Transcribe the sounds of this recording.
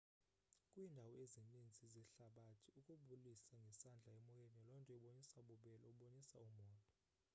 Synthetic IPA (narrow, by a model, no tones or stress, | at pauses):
kʼwindʱawɔezinind͡zʱizɛɬaɓatʰiukʼuɓulisaŋɡʱɛsand͡ɮʱaɛmɔjenɔlɔntʼɛuɓonisaɓuɓɛlɔuɓonisaumɔːtʼɔ